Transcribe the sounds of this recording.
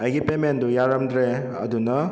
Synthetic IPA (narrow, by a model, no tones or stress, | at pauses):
ɐjɡipemendujaɾɐmdɾe | ɐ̰dunɐ